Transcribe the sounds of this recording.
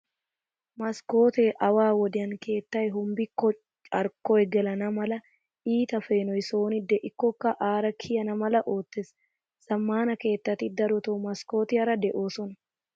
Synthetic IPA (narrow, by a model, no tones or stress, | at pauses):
mɐsko̞ːt̪eːʔɐwaːwɔd̪ɪɐŋke̞ːt̪ːɐjɦʊmbɪkːɔ | t͡ʃʼɐɾkɔɛɡɛlɐnɐmɐlɐ | iːt̪ɐfe̞ːnɔjɪso̞ːnɪd̪ɛʔɪkːɔkːɐʔaːɾɐkʰɪjɐnɐmɐlɐʔoːt̪ːɛs | sɐmːaːnɐke̞ːt̪ːɐt̪ːɪd̪ɐɾɔt̪omɐsko̞ːt̪ɪɐɾɐd̪ɛʔoːsɔnɐ